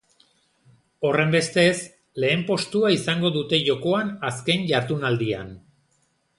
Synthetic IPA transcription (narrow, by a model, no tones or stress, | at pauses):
o̞re̞mbe̞st̪e̞s | le̞ːmpo̞st̪uaisaŋɡo̞ðut̪e̞ʝo̞ko̞anaskeɲʝaɾt̪unald̪ia̰n